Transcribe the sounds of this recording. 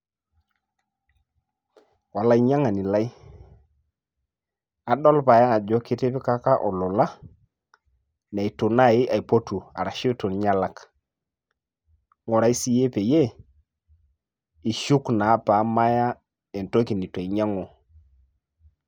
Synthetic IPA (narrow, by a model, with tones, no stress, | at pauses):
wa˨la˦i˨ɲa˦ŋa˨ni˨la˦i˦ | a˨ɗɔ˦lpa˨jaː˦˨d͡ʒɔ˦kɪ˦te˦pɪ˦ka˦ka˦ʔɔ˨lɔ˨la˦ | n˨a˨i˨tu˨na˦˨ɪ˦ʔa˨i˨po˦tu˨a̰˨ɾa˨ʃi˦tu˨nɲa˦la˨k | ŋɔ˨ɾa˨i˦si˦je˦pe˨je˦ | i˨ʃu˦kna˨˦pa˨˦ma˦ja˦ | ɛ˨nto˦ki˨ni˨ta˨i˨ɲa˦ŋɔ˨